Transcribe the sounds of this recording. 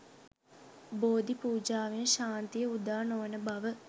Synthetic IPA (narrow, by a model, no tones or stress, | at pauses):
boːd̪ipuːd͡ʒaːʋeʃaːnt̪ijəud̪aːnoʋənəbaʋə